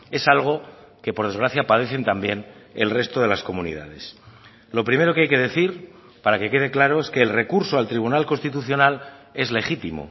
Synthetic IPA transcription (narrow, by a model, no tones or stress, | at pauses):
e̞salɣ̞o̞ | ke̞po̞ɾð̞e̞zɣɾaθjapaðe̞θe̞nt̪ambje̞nḛlre̞st̪oð̞e̞lasko̞munḭð̞a̰ð̞e̞s | lo̞pɾime̞ɾo̞keajke̞ð̞e̞θiɾ | paɾake̞ke̞ð̞e̞klaɾo̞e̞skeːlre̞kuɾsoalt̪ɾiβ̞unalko̞nst̪it̪uθjo̞nale̞zle̞χit̪imo̰